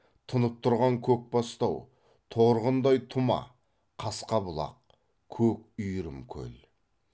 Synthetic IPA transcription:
t̪ʰənəp̚t̪ʰʊɾʁɑŋkʲʰɵk̚bɑst̪ɑw | t̪ʰoɾʁənd̪ɑjt̪ʰʊmɑ̰ | qʰɑsqɑbʊlˠɑ̰q̚ | kʲʰɵkʏjɾɪmkʲʰɵ̰l

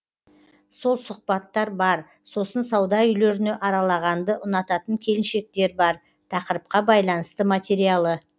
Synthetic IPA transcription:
so̞lˠsʊq̚pɑt̪ːɑɾbɑɾ | so̞sənsɑwd̪ɑʏjle̞ɾɪne̞ʔɑɾɑlˠɑʁɑnd̪əʔʊnɑt̪ɑt̪əŋkʲʰe̞lɪnʃe̞k̚t̪e̞ɾbɑɾ | t̪ʰɑqəɾəp̚qɑbɑjlˠɑnəst̪əmat̪ʲe̞ɾijalˠə

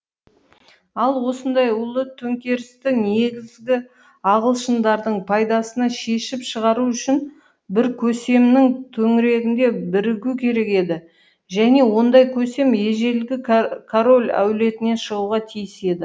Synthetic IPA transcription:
ɑlˠwo̞sənd̪ɑjulˠət̪ʰɵŋkʲe̞ɾɪst̪ɪne̞ɡʲɪzɡʲɪ | ɑʁəlˠʃənd̪ɑɾd̪əɴpʰɑjd̪ɑsənɑʃe̞ʃɪpʃəʁɑɾuʏʃɪn | bɪɾkʲʰɵse̞mnɪŋt̪ʰɵŋɪɾe̞ɡʲɪnd̪e̞bɪɾɪɡʲukʲʰe̞ɾe̞ke̞d̪ɪ | ʒæne̞wo̞nd̪ɑjkʲʰɵse̞me̞ʒe̞lɡʲɪkʰoɾo̞lʲæ̰wle̞t̪ɪne̞nʃəʁuʁɑt̪ʰijɪse̞d̪ɪ

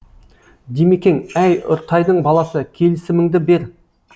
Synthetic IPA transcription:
d̪emekʲe̞ŋæjʊ̰ɾt̪ʰɑjd̪əɴbɑlˠɑsəkʲʰe̞lɪsɪmɪŋd̪ɪbe̞ɾ

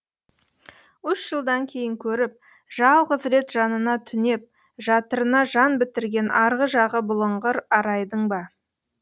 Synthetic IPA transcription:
ʏsʒ̥əlˠd̪ɑŋkʲʰe̞jɪŋkʲʰɵɾɪp̚ | ʒɑlˠʁəzɾe̞t̪ʒɑnənɑt̪ʰʏne̞p̚ | ʒɑt̪əɾənɑʒɑnbɪt̪ɪɾɡʲe̞nɑɾʁəʒɑʁəbʊlˠəɴʁəɾɑɾɑjd̪əɴbɑ

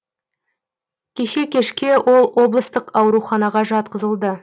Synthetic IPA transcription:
kʲʰe̞ʃe̞kʲʰe̞ʃkʲe̞wʔo̞lˠwo̞blˠəst̪əqɑwɾuχɑnɑʁɑʒɑt̪̚qəzəlˠd̪ə

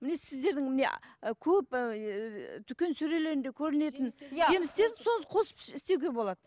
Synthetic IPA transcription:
mɪne̞sɪzd̪e̞ɾd̪ɪŋmɪnḛkʲʰɵp | t̪ʰʏkʲe̞nsɵɾe̞le̞ɾɪnd̪e̞kʲʰɵɾɪne̞t̪ɪnʒe̞mɪst̪e̞ɾɪso̞nəsqʰo̞sə̥pʃɪst̪e̞wɡʲe̞bo̞lˠɑd̪ə

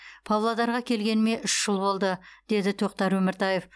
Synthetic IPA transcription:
pʰɑwlˠɑd̪ɑɾʁɑkʲʰe̞lɡʲe̞nɪme̞ʔʏʃʒ̥əlˠbo̞lˠd̪əd̪̥e̞d̪ɪt̪ʰoq̚t̪ɑɾwɵmɪɾt̪ʰɑje̞f

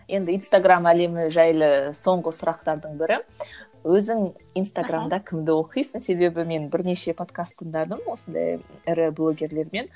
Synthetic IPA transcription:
jʔe̞nd̪ɪijnst̪aɡramæle̞mɪʒæjlˠəso̞ɴʁəsʊɾɑq̚t̪ɑɾd̪əɴbɪɾɪ | wɵzɪŋijnst̪aɡramd̪ɑkʲʰɪmd̪ɪwo̞qijsənse̞be̞bɪme̞nbɪɾne̞ʃe̞pʰo̞t̪kast̪ːənd̪ɑd̪əmwo̞sənd̪ɑ̰jɪɾɪblˠo̞ɡʲe̞ɾle̞ɾme̞n

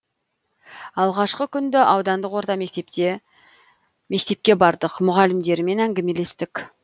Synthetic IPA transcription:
ɑlˠʁɑʃqəkʲʰʏnd̪ɪʔɑwd̪ɑnd̪əqwo̞ɾt̪ɑm | me̞k̚t̪e̞p̚kʲe̞bɑɾd̪əqmʊʁɑlɪmd̪e̞ɾɪme̞næŋɡʲeme̞le̞st̪ɪkʲ

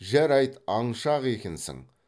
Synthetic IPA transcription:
ʒæɾɑjt̪ɑɴʃɑʁe̞kʲensɪ̰ŋ

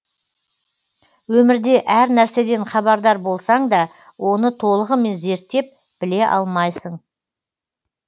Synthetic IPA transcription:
wɵmɪɾd̪e̞ʔæɾnæɾse̞d̪e̞ɴχɑbɑɾd̪ɑɾbo̞lˠsɑɴd̪ɑ | wo̞nət̪ʰo̞lˠəʁəme̞nze̞ɾt̪ːe̞p̚ | b̥ɪle̞ʔɑ̰lˠmɑjsəɴ

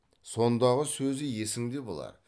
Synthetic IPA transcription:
so̞nd̪ɑʁəsɵzɪje̞sɪŋd̪e̞bo̰lˠɑ̰ɾ

